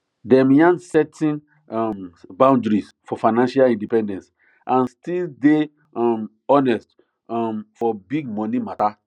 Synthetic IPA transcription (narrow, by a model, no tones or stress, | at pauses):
dɛ̃mjãnsɛtʰĩn | mbãw̃ndɹis | fɔfaɪnãnʃalĩndipɛ̃ndɛ̃ns | ʔãnstilde | ɔm | ɔnɛst | ɔmfɔbiɡ̚mɔ̃nimata